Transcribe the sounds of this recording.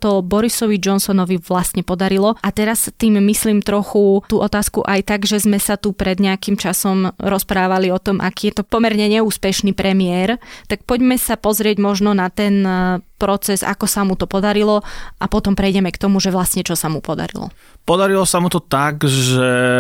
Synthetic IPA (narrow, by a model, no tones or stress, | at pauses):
t̪ɔbɔɾisɔʋid͡ʒɔnsɔnɔʋiʋlast̪ɲɛpɔd̪aɾilɔʔat̪ɛɾast̪iːmːisliːmt̪ɾɔxut̪uːʔɔt̪aːskuʔajt̪aɡʒɛzmɛsat̪upɾɛd̪ɲɛakimt͡ʃasɔmɾɔspɾaːʋaliɔt̪ɔmʔakiːjɛt̪ɔpɔmɛɾɲɛɲɛuːspɛʃnipɾɛmɪɛɾt̪ak̚pɔɟmɛsapɔzɾɪɛɟmɔʒnɔnat̪ɛnpɾɔt͡sɛza̰kɔsamut̪ɔpɔd̪aɾilɔʔapɔt̪ɔmpɾɛjɟɛmɛkt̪ɔmuʒɛʋlast̪ɲɛt͡ʃɔsamupɔd̪a̰ɾḭlɔ̰ | pɔd̪aɾilɔsamut̪ɔt̪aɡʒɛ